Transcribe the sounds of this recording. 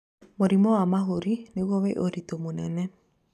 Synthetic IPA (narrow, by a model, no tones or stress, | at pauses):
moɾimɔamaɦoɾineɣoβeʔoɾitomonɛnɛ